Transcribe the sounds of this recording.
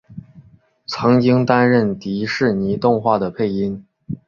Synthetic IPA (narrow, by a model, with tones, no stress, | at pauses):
t͡sʰɤ˧˥ŋt͡ɕi˥ŋt̪a˥nɻə˥˩nt̪i˧˥ʂɻ̩˥˩ni˧˥t̪ʊ˥˧ŋxwa˥˩d̪ə˩pʰe˥˩ɪi˥n